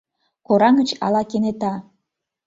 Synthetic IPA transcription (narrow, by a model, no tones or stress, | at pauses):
koɾɑŋə̆t͡ɕɑ̰lɑkenet̪ɑ